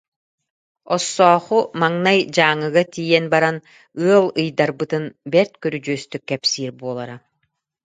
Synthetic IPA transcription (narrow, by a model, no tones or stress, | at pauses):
ɔsːɔːχumaŋnajd͡ʑaːŋɯɣat̪ijɛnbaɾan | ɯɐlˠɯjd̪aɾbɯt̪ɯnbɛɾt̪kœɾyd͡ʒyœst̪ykːɛpsiːɾbuɔlˠaɾa